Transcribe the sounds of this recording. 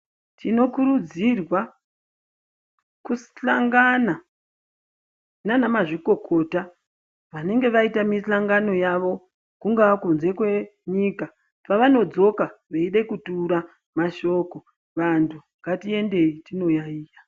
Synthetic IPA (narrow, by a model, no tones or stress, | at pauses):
tʰino̞kuɾud͡zirwa | kusɬaŋɡana | nanamaʐiko̞kʰo̞ta | ʋane̞ŋɡe̞ʋaitamiɬaŋɡano̞jaʋo̞ | kuŋɡaakunze̞kwe̞ɲiːka | paʋano̞d͡zo̞kaʋeiɗekutuɾa | maʃo̞ko̞ | ʋantʰuŋɡatie̞nde̞itino̞jaiːja